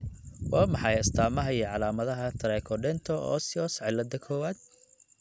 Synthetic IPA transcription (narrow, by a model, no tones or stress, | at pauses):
waːmɑħɑjɐst̪ʰaːmɐɦɐiʕɑlaːmɐðɐɦɐt̪ʰɐɾɛːkʰɔɖɛnt̪ʰɔɔ̰ːsɪɔsʕɪlːɐd̪ɐkʰɔːwaːd̪̥̚